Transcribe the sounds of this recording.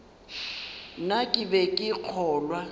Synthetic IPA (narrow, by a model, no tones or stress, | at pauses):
nakʼɪbɛkʼɪq͡χʰɔːlwa